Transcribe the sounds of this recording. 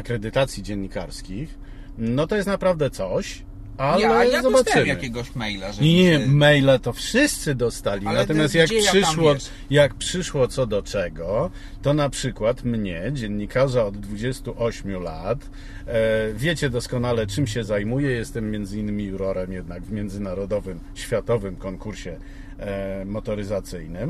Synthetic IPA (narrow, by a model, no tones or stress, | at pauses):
akɾɛd̪ɘt̪at̪sʲjid͡ʑɛɲːikaɾskʲix | nɔt̪ɔjɛst̪napɾavd̪ɛt̪sɔɕ | alɛzɔbat͡ʂɘaɘkʲɛɡɔɕmɛjlaɛmɛjlat̪ɔfʂɘst̪sɘd̪ɔst̪alʲinnat̪ɔmʲjast̪jakpʂɘʂwɔ | jak̚pʂɘʂwɔt̪sɔd̪ɔt͡ʂɛɡɔ | t̪ɔnapʂɘkwat̪mɲɛd͡ʑɛnːikʰaʐaɔd̪ːvud͡ʑɛst̪uʔɔɕmʲjulat̪ | vʲjet͡ɕɛd̪ɔskɔnalɛt͡ʂɘmɕɛzajmujɛjɛst̪ɛmːjɛnd̪zɘinːɘmʲiuɾɔɾɛmjɛd̪̚naɡvmʲjɛnd̪zɘnaɾɔd̪ɔvɘm | ɕfʲjat̪ɔvɘmkɔŋkuɾɕɛ | mɔt̪ɔɾɘzat̪sɘjnɘm